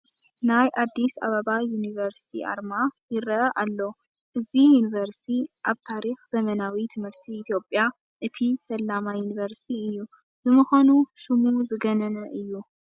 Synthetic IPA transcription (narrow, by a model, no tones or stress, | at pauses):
najʔad̪ːisa̰βɐβajunivɐɾsi̥t̪ʰḭʔa̰ɾmajɪɾɐɐʔalːo | ʔɨzijunivɐɾsi̥t̪ʰiʔaβt̪ʰaɾixz̥ɐmɐnawit̪ʰɨmhɨɾt̪ʰiːt̪ʰjo̞pʼja | ʔɨt̪ʰisɐlːamajunivɐɾsi̥t̪ʰiɨjːu | bɨmɨxanusɨmuzɨɡɐnɐnɐʔɨjːu